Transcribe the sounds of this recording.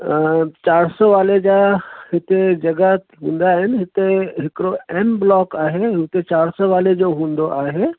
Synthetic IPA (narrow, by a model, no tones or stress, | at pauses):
t͡ʃaːɾsɔʋaːled͡ʒahɪt̪ed͡ʒɐɡa | ɦũːnd̪aɦɪnɦɪt̪eɦɪkɾoɛmblɔːkaːɦeʊt̪et͡ʃaːɾsɔʋaːled͡ʒoɦũːnd̪oʔaːɦe